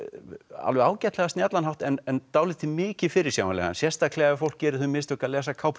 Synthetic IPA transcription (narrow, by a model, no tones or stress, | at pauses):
a̰lvɛaːwcɛt̪lɛɣast̪jɛt̪lanɦawt̪ɛnɛnt̪aːwlɪt̪ʰɪmɪːcɪfɪɾɪɾ̥sja̰ːwmanlɛ̰ɣa̰nsjɛ̥st̪akʰlɛɣaafowl̥kcɛːɾɪ̥θʏmɪst̪œhkalɛːsakʰawp